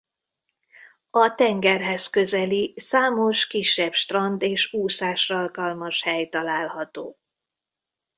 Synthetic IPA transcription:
ɒt̪ɛŋɡɛrɦɛskø̞zɛlisaːmo̞ʃkiʃːɛbʃt̪rɒnd̪eːʃuːsaːʃrɒlkɒlmɒʃhɛjt̪ɒlaːlhɒt̪oː

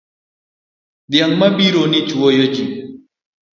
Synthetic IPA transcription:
d̪jaŋmabiɾonit͡ʃuojod͡ʒi

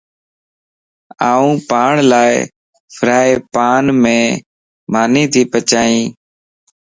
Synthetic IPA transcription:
aːũːpaːɳlaːɪ | fʰɾaːeːpaːnmẽː | maːniːt̪ʰiːpət͡ʃaːĩː

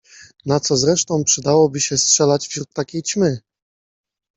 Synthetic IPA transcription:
nat̪sɔzɾɛʂt̪ɔ̃w̃pʂɘd̪awɔbɘɕɛstʂɛlad͡ʑvʑɾuk̚t̪ːakʲejt͡ɕmɘ

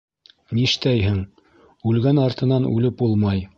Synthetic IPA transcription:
niʃt̪æjɦɘŋ | ʉlɡænɑɾt̪ɤ̆nɑnʉ̰lɘp̚ulˠmɑj

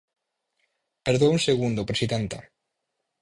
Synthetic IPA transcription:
peɾðounseɣund̪opɾesiðent̪a̰

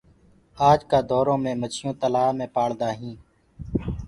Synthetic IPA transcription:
aːd͡ʒkaːd̪ɔːɾõːmẽːmət͡ʃʰɪjõːt̪əlaːmẽːpaːɽd̪aːɦĩː

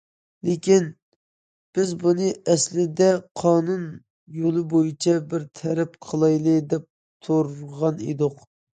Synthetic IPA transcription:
lekʲin | b̥ɪzbunɨʔɛslɪd̪ɛqʰɑːnun | jolˠɨbojit͡ʃʰɛbɪɾt̪ʰɛɾɛpqʰəlˠɑjlˠɨd̪ɛp̚ | t̪ʰoɾʁɑnḛd̪ʊq

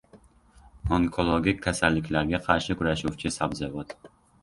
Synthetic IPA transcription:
oŋkʰolˠoɡʲikʲʰːasalːɪkʲlaɾɡʲaqʰɑɾʃɪkʰʊɾaʃuwt͡ʃʰɪsabzavɒt̪

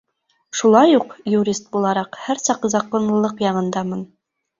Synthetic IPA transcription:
ʃulˠɑjuqjuɾʲist̪̚bulˠɑɾɑqhæɾsɑqzɑqonlˠɤ̆lˠɤqjɑɴɤ̆nd̪ɑmɤn

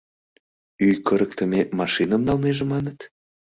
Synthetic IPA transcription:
yjkəɾək̚t̪ə̆mʲemɑʃinəmnɑlneʒemɑnət̪

